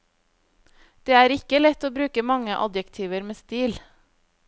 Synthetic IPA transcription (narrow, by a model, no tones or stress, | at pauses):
d̪̥eːæːɾɪkəlɛt̪oːbɾʉːkəmɑŋəʔɑ̰d̪jɛkt̪ʰiːʋəɾmeːst̪iːl